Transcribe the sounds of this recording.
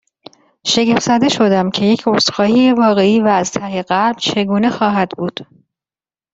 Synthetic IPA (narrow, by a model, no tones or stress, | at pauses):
ʃe̞ɡefzæd̪e̞ʃo̞d̪æmcʰe̞je̞cʰost̪xɒːhiːjevɒːɣe̞iːvæːzt̪ʰæheɢæɾbt͡ʃʰe̞ɡuːne̞xɒːɦæd̪buːd̪̥